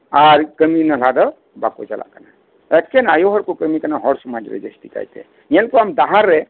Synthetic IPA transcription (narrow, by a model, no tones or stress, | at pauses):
aɾkəminəlad̪ɔ | ba̰kot͡ʃa̰la̰ʔkana | et̪̚kʰenajoɦɔɽkukəmikanaɦɔɽsumad͡ʒɾɛ̰d͡ʒḛsʈika̰jt̪ḛ | nɛlkuamd̪aɦaɾːe